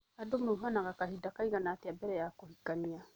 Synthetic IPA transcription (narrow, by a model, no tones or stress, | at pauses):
adomeuɦanaɣakahidakaiɣanaːteabɛɾɛjakohikania